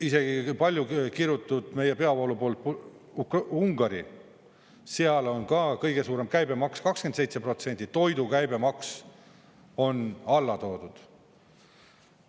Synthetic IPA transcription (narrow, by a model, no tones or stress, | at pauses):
ise̞ɡ̥ipɑlʲjukiɾjut̪ːˑud̪̥me̞jepe̞ɑvolupo̞ːlt̪̚p | kuŋɡ̥ɑɾḭ | seɑlo̞nkɑkɤjɡ̥e̞suːɾe̞mkæjbe̞mɑkskɑkskent̪sejt̪se̞pro̞t̪se̞nʲt̪it̪o̞jd̪ukæjbe̞mɑks | o̞nɑlːɑt̪o̞ːd̪̥ud̪̥